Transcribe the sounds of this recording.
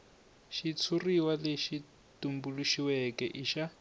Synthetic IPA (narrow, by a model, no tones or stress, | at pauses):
ʃit͡sʰuriwaleʃi | tumbuluʃiwɛkɛʔiʃa